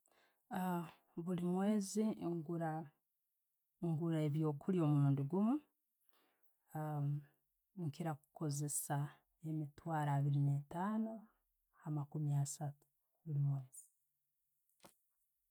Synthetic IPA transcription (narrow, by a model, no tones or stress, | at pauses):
βulimwe̞ːziŋɡuɾa | ŋɡuɾaeβjo̞ːkʰulio̞ːmuɾuːndiɡumu | ŋkiɾaku̥ko̞ze̞sa | e̞mitwaːɾaːβiɾinetaːno | hamakumiasatu̥ | βulimwe̞ːz̥i